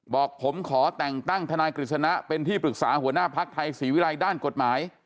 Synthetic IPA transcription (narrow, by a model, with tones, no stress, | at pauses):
bɔː˨˩k̚pʰo˩˦mkʰɔː˩˦t̪ɛ˨˩ŋt̪a˥˩ŋt̪ʰa˧naː˧jkɾi˨˩t̪̚sʰa˧na˦˥pe˧nt̪ʰiː˥˩pɾɯ˨˩k̚saː˩˦hu˩˦ɐnaː˥˩pʰa˦˥k̚t̪ʰa˧jsiː˩˦wi˦˥la˧jdaː˥˩nko˨˩t̪̚maː˩˦j